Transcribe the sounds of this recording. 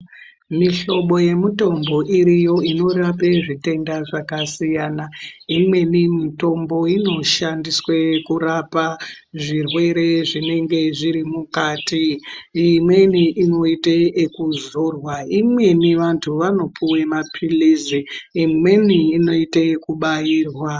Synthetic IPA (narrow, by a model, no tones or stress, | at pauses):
miɬo̞ɓo̞je̞muto̞mbo̞ʔiɾijo̞ino̞rapeʐite̞ndaʐakasijanaimwe̞nimito̞mbo̞ino̞ʃandiswekuɾapa | ʐirwe̞ɾe̞ʐine̞ŋɡe̞ʐiɾimukaːtiː | mwe̞niʔino̞iteekuzorwaimwe̞niʋantʰuʋano̞puwemapʰiliziːmwe̞niːno̞itekuɓajiːrwa